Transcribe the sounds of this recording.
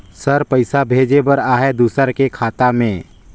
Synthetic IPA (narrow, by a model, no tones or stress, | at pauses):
səɾpəɪsabʱeːd͡ʒebəɾaːɦɛd̪uːsəɾkekʰaːt̪amẽ